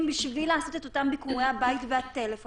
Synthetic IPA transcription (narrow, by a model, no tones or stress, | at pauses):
mbiʃvilaːso̞t̪et̪o̞t̪ambikuʁehabaitveat̪elefo